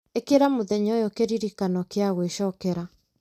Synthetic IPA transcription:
ekeɾamoðɛɲɔjɔkeɾiɾikanɔkeaɣweʃɔkɛɾa

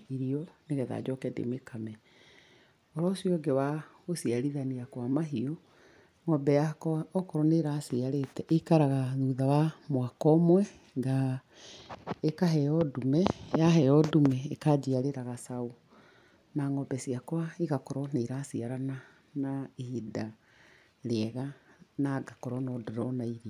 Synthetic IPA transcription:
iɾiɔneɣɛða̰d͡ʒɔkɛdḛmekamɛ | ɔɾɔsiɔɡewaɣosiaɾiðaniakwamaɦiɔ | ŋɔbɛjakɔɔkɔɾɔneɾasiaɾetɛʔekaɾaɣaðuðawamwakɔmwɛ | ŋɡa | ekaɦɛɔdumɛjaɦɛɔdumɛekad͡ʒiaɾeɾaɣasau | naŋɔbɛsiakwaiɣakɔɾɔneɾasiaɾana | naehida | ɾeɛɣanaɡakɔɾɔnɔdɔɾɔnaiɾia

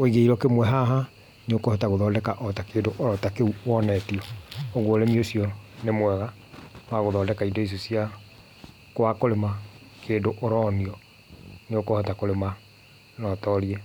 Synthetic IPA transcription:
oiɣeiɾɔkemwɛɦaɦa | neokohɔtaɣoðɔːdɛkaʔɔtakeːndoʔoɾɔtakeuwɔnɛtiɔːɣoːɾemiosiɔnemwɛɣa | waɣoðɔːndɛkaidɔis̬osia | kwakoɾemakeːndoʔoɾɔniɔ | neokohɔtakoɾema | nɔtɔɾiɛ

